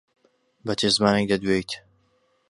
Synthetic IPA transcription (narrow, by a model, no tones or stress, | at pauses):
bɐt͡ʃʰezɨmaːnek̚d̪ɐd̪wejt̪